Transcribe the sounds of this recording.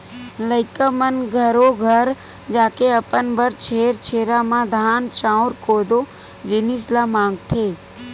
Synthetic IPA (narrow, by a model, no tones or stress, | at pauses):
ləɪkəmənɡʱəɾoɡʱəɾ | d͡ʒaːkeəpənbʱəɾt͡ʃʰeːɾt͡ʃʰeːɾaːmãːd̪ʱaːnt͡ʃãːʊɾkoːd̪oː | d͡ʒɪnislaːmãːŋɡt̪ʰeː